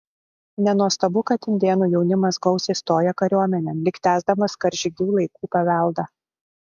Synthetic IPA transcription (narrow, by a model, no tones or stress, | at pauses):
nʲɛnuɔst̪ɐbʊkɐt̪ʲɪnʲd̪ʲeːnuːjɛʊnʲɪmɐsɡɔʊsʲest̪oːjɛkɐɾʲuɔmʲɛnʲɛmlʲɪkt̪ʲæːzd̪ɐmɐskɐɾʲʒʲɪɡʲuːlˠɐɪkuːpɐʋʲæˑlˠd̪ɐ